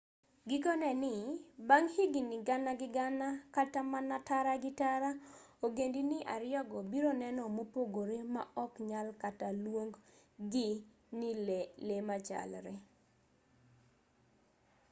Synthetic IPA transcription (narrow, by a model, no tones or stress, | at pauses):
ɡɪkɔnɛnɪbaŋhiɡinɪɡanaɡɪɡanakatamanataɾaɡɪtaɾaoɡendinɪʔa̰ɾɪjɔɡɔbiɾonɛnɔmopoɡoɾema̰ʔɔkɲalkatalwoŋɡɡi | nilelemat͡ʃa̰lɾɛ